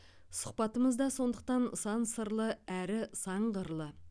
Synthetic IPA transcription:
sʊ̥q̚pɑt̪əməzd̪ɑso̞nd̪əq̚t̪ɑnsɑnsəɾlˠəæɾɪsɑɴʁəɾlˠə

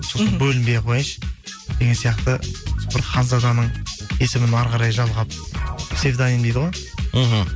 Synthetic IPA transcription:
so̞sənbɵlɪmbejqʰo̞jɪnʃ | d̪eɡʲensijɑqt̪əsbɪɾχɑnzɑd̪ɑnəɴe̞sɪmɪnɑɾʁɑɾɑjʒɑlˠʁɑp̚se̞vd̪ɑnind̪ejd̪əʁoj̩ɦ̩

